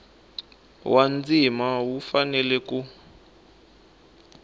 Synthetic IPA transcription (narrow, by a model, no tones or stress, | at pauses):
wʔand͡zimawufanɛlɛku